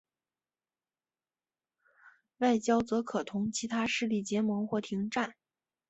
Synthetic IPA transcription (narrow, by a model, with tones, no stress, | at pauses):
wa˥˩ɪt͡ɕjɑ˥ʊt͡sɤ˧˥kʰɤ˨˩t̪ʰʊ˧˥ŋt͡ɕʰi˧˥t̪ʰa˥ʂɻ̩˥˧li˥˩t͡ɕjɛ˧˥mwɔ˧˥xwɔ˥˩t̪ʰi˧˥ŋʈ͡ʂa˥˩n